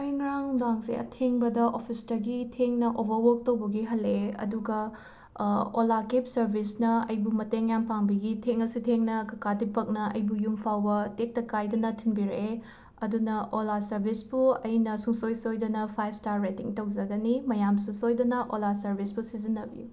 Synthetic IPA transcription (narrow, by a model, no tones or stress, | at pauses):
ɐjŋɾaŋdaŋsḛɐ̰tʰeŋbɐdɐʔopʰistɐɡitʰeŋnɐʔobɐɾwok̚tɐwbɐɡiɦɐlːeɐ̰duɡɐ | olakip̚sɐɾbʱisnɐɐjbumɐteŋjampaŋbiɡitʰeŋɐsutʰeŋnɐkɐkadipɐk̚nɐɐ̰jbujumpʰawbɐtek̚tɐkajdɐnɐtʰinbiɾe | ɐdunɐʔolasɐɾbʱisbuɐjnɐsuŋsojsojdɐnɐpʰajp̚staɾːetiŋtɐwzɐɡɐnimɐjamsusojdɐnɐʔolasɐɾbʱispusizinːɐbiju